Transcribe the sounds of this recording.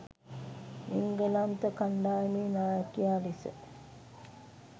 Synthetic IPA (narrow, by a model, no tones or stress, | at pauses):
iŋɡəlant̪əkaɳɖaːjmeːnaːjakijaːlisə̰